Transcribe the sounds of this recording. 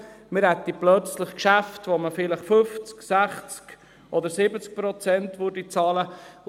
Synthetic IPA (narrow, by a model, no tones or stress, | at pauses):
mɪɾhɛt̪ːiplœt͡sləχkʃæftʋoməfɪləχfʏft͡sksæχt͡sk | ʔɔd̪əɾsɪbət͡sk̚pɾɔt͡sɛntʋʊːɾdit͡sɑːlə